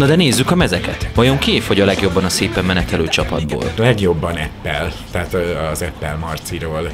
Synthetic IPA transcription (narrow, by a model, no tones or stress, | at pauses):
nɒd̪ɛneːzːykɒmɛzɛkɛt̪ʋɒjo̞ŋkeːfoɟɒlɛɡjo̞bːɒnɒseːpɛmːɛnɛt̪ɛløːt͡ʃɒpɒ̰d̪bo̰ːllɛɡjo̞bːɒnɛpːɛlt̪ɛat̪zɛpːɛlmɒrt̪siɾoːl